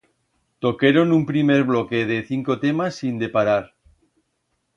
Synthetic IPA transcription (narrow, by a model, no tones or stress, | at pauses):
t̪o̞keɾonumpɾime̞ɾβlokeð̞eθiŋkot̪e̞masːind̪e̞paɾaɾ